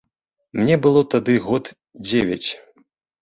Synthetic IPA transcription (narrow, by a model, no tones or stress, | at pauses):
mnʲɛbɨlˠɔt̪ad̪ɨɣɔt̪ | d͡zʲevʲɐ̰t͡sʲ